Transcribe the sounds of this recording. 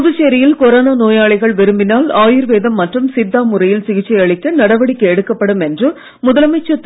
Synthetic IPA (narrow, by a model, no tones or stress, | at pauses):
ʊðɯt͡ʃeːɾɐjɪlkɔɾoːnaːnoːjaːɭɐɪɣɐɭʋɛɾɯmbɪnaːlaːjɪɾʋeːðɐmːɐʈrɯmsɪd̪ːaːmʊrɐjɪlsɪɣɪt͡ʃːɐjɐɭɪt̪ːɐnɐɽɐʋɐɽɪkʲːɐɛɽɯkːɐpːɐɽɯmɛndrɯ | mʊðɐlɐmɐt͡ʃːɐt̪ː